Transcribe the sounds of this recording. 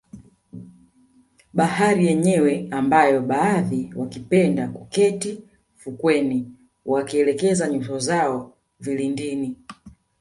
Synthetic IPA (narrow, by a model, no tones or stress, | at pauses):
ɓahaɾijɛɲɛwɛambajɔɓaːðiwakipɛndakukɛti | fukwɛni | wakiɛlɛkɛzaɲutɔzaɔ | vilindini